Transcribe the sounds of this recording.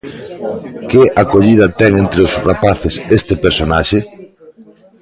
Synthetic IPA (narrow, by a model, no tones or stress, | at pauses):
kɪʔakoʎið̞ɐt̪ɛŋent̪ɾeʊsrapaθɪsest̪ɪpeɾsonaʃe